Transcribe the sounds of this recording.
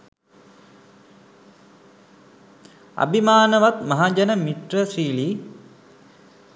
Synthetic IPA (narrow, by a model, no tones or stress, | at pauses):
a̰bimaːnəʋat̪mɐɦad͡ʒanəmiʈrəsiːliː